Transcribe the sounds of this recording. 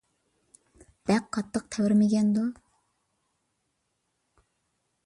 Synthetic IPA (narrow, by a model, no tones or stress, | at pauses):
b̪̥ɛqʰːɑt̪ʰːəq̚t̪ʰɛwɾmɪɡʲɛnd̪u